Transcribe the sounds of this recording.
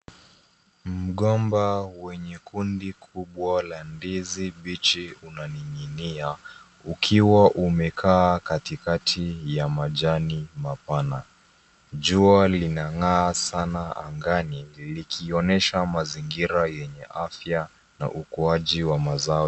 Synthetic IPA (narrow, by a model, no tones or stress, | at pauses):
m̩ɠɔmbawɛɲɛkundikʰuɓwalandiziɓit͡ʃiunaniɲinia | ukʰiwaʔumɛkʰaːkatikatʰijamaʄanimapana | ʄualinaŋaːsanaa̰ŋɡanilikʰiɔnɛʃamaziŋɡiɾajɛɲɛʔafja | na̰ʔukuaʄiwamazaɔ